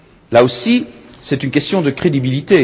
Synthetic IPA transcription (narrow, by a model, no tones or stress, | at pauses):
laosisɛt̪ynkʲɛst̪jɔ̃d̪əkχed̪ibilit̪e